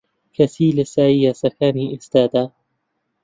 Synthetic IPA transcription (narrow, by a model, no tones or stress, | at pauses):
kasiːlɪsaːʔɪjasakaːniːʔɪst̪aːd̪a